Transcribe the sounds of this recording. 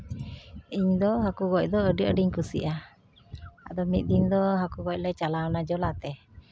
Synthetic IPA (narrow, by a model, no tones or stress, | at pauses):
iɲd̪ɔɦakuɡɔc̚ˀd̪ɔəɖəʔəɖiɲkusḭʔa | a̰d̪ɔmit̪̚ˀd̪iɲd̪ɔɦakuɡɔc̚ˀlɛt͡ʃalaɔnad͡ʒɔlat̪ɛ